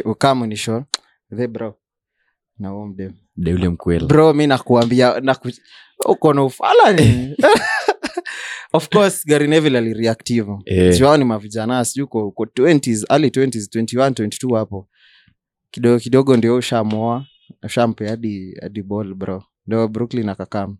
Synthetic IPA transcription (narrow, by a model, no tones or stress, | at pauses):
ukamuniʃɔ | ðɛbɾɔ | nauɔm̩ɗɛ | m̩ɗɛulɛm̩kwɛlbɾɔminakuambianaku | ṵkɔnɔufa̰lani | ɔfkɔsɡaɾinɛvilaliɾiaktivuɛtiwaɔnimaviʄanasiʄuikɔkɔtwɛntizalitwɛntiztwɛntiwantwɛnti̥tuhapɔ | kiɗɔkiɗɔɠɔndiɔuʃamɔa | uʃam̩pɛaɗia̰ɗibɔlbɾɔ | ndiɔbɾuklinakakami